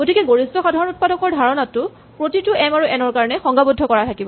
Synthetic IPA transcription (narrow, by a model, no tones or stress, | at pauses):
ɡotikɛɡoɹistɔxadʱaɹɔnut̚padɔkɔɹdʱaɹɔnatːʊ | pɹotitʊʔɛmaɹuʔɛnɔɹkaɹɔnɛxɔŋɡabudʱːɔkɔɹatʰakibɔ